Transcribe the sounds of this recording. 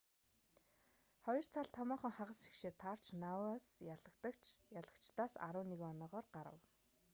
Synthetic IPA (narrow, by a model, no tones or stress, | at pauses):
χɔjɞ̆r̥t̪ʰaɮt̪ʰɔmɔːχɞ̆ŋχaʁə̆sʃi̥xʃeːt̪ʰar̥t͡ɕnawaːsaɮə̆kt̪əkjaɮə̆kt͡ɕt̪aːsa̰ɾʊːneɣɔnɔːʁɔːrɢaɾə̰̆w